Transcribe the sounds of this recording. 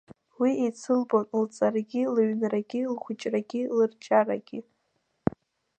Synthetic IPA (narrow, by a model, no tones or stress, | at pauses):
wiet͡sʰɨmbʼonlt͡sʼaraɡʲɪlɥnraɡʲilχʷʊt͡ʃʼraɡʲilɨrt͡ʃʰʼara̰ɡʲɪ